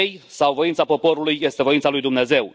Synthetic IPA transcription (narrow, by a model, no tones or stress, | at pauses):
ejsawvo̞int̪sapo̞po̞ɾulujːest̪e̞vo̞int̪salujd̪umne̞ze̞w